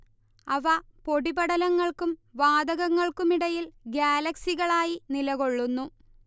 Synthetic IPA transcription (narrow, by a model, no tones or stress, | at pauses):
ɐʋɐpo̞ɽibɐɽɐlɐŋːɐɭkumʋaːd̪ɐɣɐŋːɐɭkumiɽɐjilɡjaːlɐksiɣɐɭaːjinilɐɣo̞ɭːunːu